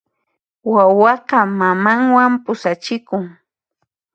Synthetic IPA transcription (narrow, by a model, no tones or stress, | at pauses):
wawɑqɑmamaŋwampʊsat͡ʃɪkʊŋ